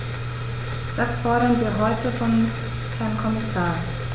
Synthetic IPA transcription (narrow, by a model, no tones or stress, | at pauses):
d̥asfɔɐɾɐnviːɐɦɔʏtəfɔn | hɛɐnkʰɔmɪsaː